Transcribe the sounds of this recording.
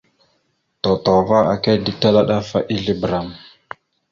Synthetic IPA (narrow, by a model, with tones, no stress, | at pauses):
to˨to˨va˦a̰˨ka˦di˦ta˦la˦ɗa˦fa˦ʔi˦ɮi˦bɾa˨m